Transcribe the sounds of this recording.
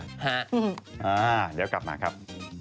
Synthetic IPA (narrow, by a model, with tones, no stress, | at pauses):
ha˦˥˧ʔaː˧˩dɛː˦˥wkla˨˩p̚maː˧˩kʰɾa˦˥p̚